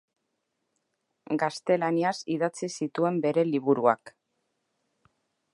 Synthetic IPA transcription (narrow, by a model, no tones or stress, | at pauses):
ɡast̪e̞laniasiðat͡sisit̪ue̞mbe̞ɾe̞liβuɾua̰k